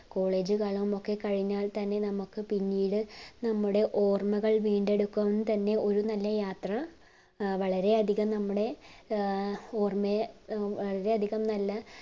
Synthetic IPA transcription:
ko̞ːɭe̞ːd͡ʑɨkaːɭɐmmo̞kːe̞kɐɻiɲːaːɭt̪ɐnːe̞nɐmukːɨpinːiːɽɨnɐmːuɽe̞ʔo̞ːrmɐɣɐɭʋiːɳɖe̞ɽukːɐʋenːɨt̪ɐnːe̞o̞ɾunɐlːɐjaːt̪rɐ | ʋɐɭɐɾe̞ɐd̪ʱiɣɐmnɐmːuɽe̞ | oːrmeʋɐɭɐɾe̞ɐd̪ʱiɣɐmnɐlːɐ

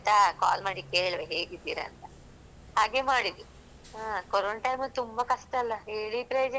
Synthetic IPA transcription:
t̪akaːlmaːɽikeːɭʋeɦeːɡid̪iːɾɐ̰ːnt̪ɐ | haːɡeːmaːɽid̪u | aːkoɾoːɳʈɐjmɐt̪umbɐkɐʂʈɐɐlːɐeːɭipɾɐjoːd͡ʒɐ

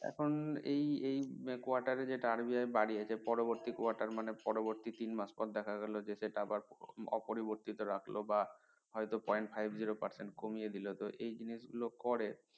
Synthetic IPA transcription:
ɛ̰kʰonejejkoaɾʈaɾed͡ʑeʈaaɾbiaebaɽiaepɔɾoboɾt̪ikoaɾʈaɾmanepɔɾoboɾt̪it̪inmaspɔt̪̚d̪ɛkʰaɡɛlod͡ʑeseʈaabaɾɔ̰poɾiboɾt̪it̪oɾakʰloba | ɦɔjt̪opɔjɳʈfʰajbʱd͡ʑiɾopaɾseɳʈkomijed̪ilot̪oʔejd͡ʑiniʃ̬ɡulokɔɾe

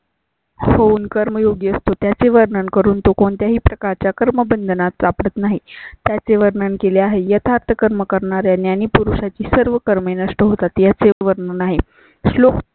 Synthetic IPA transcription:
hounkəɾməjoɡeəst̪ot̪jat͡seʋəɾnəɳkəɾuːnt̪okoɳt̪jaɦiːpɾəkaɾt͡ɕjakəɾməbənd̪ʱənat̪t͡sapɽət̪naɦit̪jat͡seʋəɾnəɳkeleaɦejət̪ʰaɾt̪ʰəkəɾməkəɾɳaɾjanjaniːpuɾuɕat͡ɕiːsəɾʋəkəɾmenəʂʈəɦot̪at̪jat͡seʋəɾnənaɦe | ɕlok

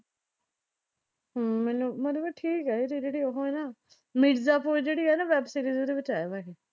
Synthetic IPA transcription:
mɛːnũːmət̪ləbʈʰiːkɛːet̪ed͡ʒeːɽiːoɦõɛːnaː | mɪɖzaːpoːid͡ʒeːɽiːɦɛːnaːʋɛːbsiːɾiːzoːd̪eːbət͡ʃaːebaːɦeː

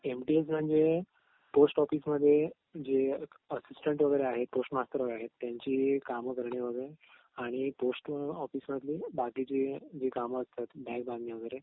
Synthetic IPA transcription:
emʈies̬m̤əɳd͡ze | posʈɔfiːsməd̪ʱːje | d͡ʑe | əsisʈəɳʈʋəɡəjɾeaɦet̪̚posʈmast̪əɾʋəɡəɾeaɦet̪ːjãɲt͡ɕiːkaməkəɾɳeʋəɡəɾe | aɽ̃iposʈɔfiːsməd̪ʱlibakit͡ɕed͡ʑekaməəst̪at̪bɛ̃k̚bãnniʋəɡəjɾe

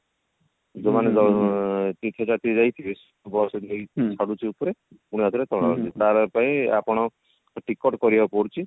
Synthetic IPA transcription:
d͡ʒomaned͡ʒɔt̪it̪ʰet͡ʃat̪id͡ʒajt̪ʰibes | bɔsɔejt͡ʃʰaɽut͡ʃʰiupɔɾe | puɽ̃iɦat̪ʰiɾet̪ɔɽ̃ɔɔɾt͡ʃit̪aɾɔpaĩapɔɽ̃ɔ | ʈikɔʈkɔɾibapɔɽt͡ʃʰi

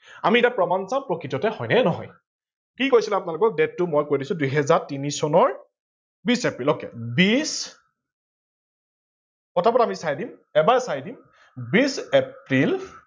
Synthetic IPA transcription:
amiitapɹɔmansãmpɹɔkɹitɔtɛhɔjnɛnɔɦɔ̰j | kikojsilɛapʊnalʊkɔk̚dɛtːʊmɔjkojdisʊ̃dujɦɛzaɹtinisɔnɔɹ | bisepɹilokɛ̰bis | kɔtapɔtamisajdimɛbaɛsajdim | bisepɹil

